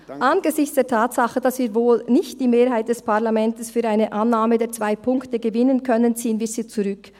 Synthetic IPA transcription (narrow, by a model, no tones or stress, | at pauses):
ʔanɡəzɪçt͡sd̥eːɐtʰaːtsaχəd̥asv̥iːɾvoːlnɪçt̚d̥iːmeːɾɦaɪt̚d̥ɛspʰaʁlamɛntəsfyːɾaɪnəʔanːaːmədeːɐt͡sv̥aɪpʰʊŋktəɡəvɪnənkʰœnənt͡siːənviːz̥iːt͡suʁʏk